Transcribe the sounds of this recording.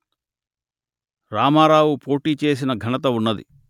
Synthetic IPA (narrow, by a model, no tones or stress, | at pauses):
ɾaːmaːɾaːwupo̞ːʈiːt͡ʃe̞ːs̬inɐɡʱɐnɐt̪̬ɐunːɐd̪ḭ